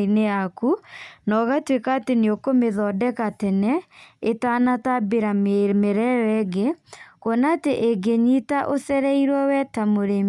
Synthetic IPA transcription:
ineakunɔɣatwekaːteneokomeðɔdɛkatɛnɛetaːnatabeɾammeɾɛɾɛɡekwɔnateʔeɡeɲitaʔosɛɾɛiɾwɔwɛtamoɾem

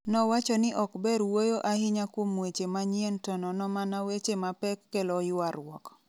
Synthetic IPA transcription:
nɔwat͡ʃɔnɪʔɔkbɛɾwojoʔahɪɲakwomwet͡ʃemaɲjentɔnɔnɔmanawet͡ʃemapɛkːelɔjʊaɾwɔk

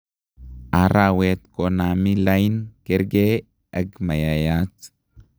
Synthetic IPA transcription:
ʔaɾaːwet̪kɔnamilajnkɛɾɡeː | ʔɐɡmɐjajat͡s

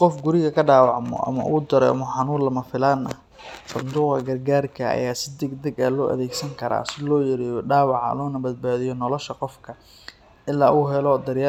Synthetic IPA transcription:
qɔfɡʊɾɪɣɐkʰɐɖaːwɑʕmɔ̰ʔɐ̰mɐ̰ʔuːd̪ɐɾɛmɐħɑnuːlɐmɐfɪlaːnɐ | sɐnd̪uːqɐ̰ɡɐrɡaːrkʰɐɐ̰jaːsɪd̪ɛɡd̪ɐɡɐːlɔːʔɐ̰ðɛːɡsɐŋkʰɐɾa̰ːsɪlɔːjɪɾɪɖaːwɑʕɐ̰lɔːnɐbɐd̪̚baːðɪjɔnɔlɔʃɐqɔfkʰɐ | ɪlːaːʔuɦɛlɔd̪ɐɾjaː

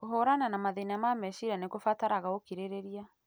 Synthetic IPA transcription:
oɦoɾananamaðenamamɛʃiɾanekofataɾaɣaokiɾeɾeɾia

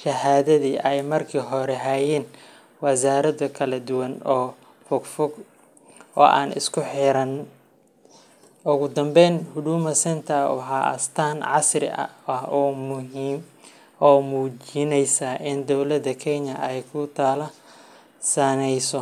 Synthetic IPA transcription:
ʃɐhaːðɐðiːʔɛjmɐrkʰiːɦɔɾɛɦajɛːn | wɑsaːɾɐðɐkʰɐlɐd̪ʊwɐnɔː | fɔɡfɔɡ | ʔɔ̰ːʔaːnɪ̰skʰʊħɪɾɐn | ʔʊɣʊd̪ɐmbɛjnhʊd̪uːmɐsɐnt̪ʰɐħɑʔɐ̰st̪ʰaːnʕɑsrɪ̰ʔɐ̰ɐhɔːmʊɦiːm | ɔːmuːd͡ʒɪnɛjsɐʔɪnd̪ɔwlɐd̪ɐkʰɛɲɐɛjkʰʊt̪ʰaːlɐ | sɐnɛjsɔ

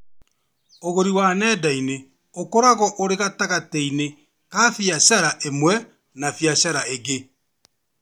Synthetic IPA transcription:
oɣoɾiwanɛːdaine | okoɾaɣɔʔoɾeɣataɣatɛine | kaːfjaɕaɾaʔemwɛ | nafjaɕaɾaeɣe

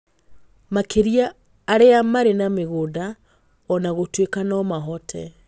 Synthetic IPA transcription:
makeɾiaː | ɾeamaɾenameɣoːda | ɔnaɣotwekanɔmaɦɔtʰɛ

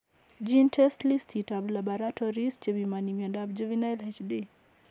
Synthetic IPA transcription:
d͡ʒintʰɛstlistʰitablabaɾatɔɾist͡ʃeβimanimjɔndabd͡ʒovinajlɛt͡ʃdi

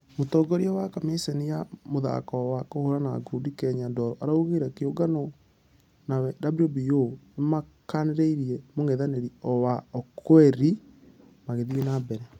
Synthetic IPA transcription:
motɔːɡɔɾjawakamesenijamoða̰kɔwakohoɾanaɡudikɛɲadɔɾɔʔaɾauɣeɾakeoɡanɔ | nawɛdabiɾiobijonema | kaneɾeiɾiɛmoŋeðaneɾiɔwaɔkʰwɛɾi | maɣeðienabɛɾɛ

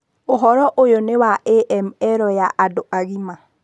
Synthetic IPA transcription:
oɦɔɾɔʔojonewaʔɛʔɛmɛɾɔjaʔadoʔaɣima

